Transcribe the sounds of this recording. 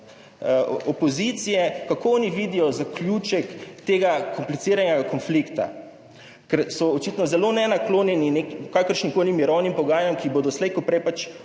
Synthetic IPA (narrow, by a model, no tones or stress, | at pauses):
opɔzit̪sijɛkakoɔːniʋiːd̪ijɔzaklʲjuːt͡ʃɛkt̪eːɡakomplit̪siːɾanjɛɡakɔnflikt̪a̰ | kɛɾsɔːt͡ʃiːt̪nɔzɛlonɛnakloːnjɛninekikakəɾʃnikoːlimiɾɔwnimpɔɡaːjamkiboːd̪ɔslɛjkɔpɾɛjpat͡ʃ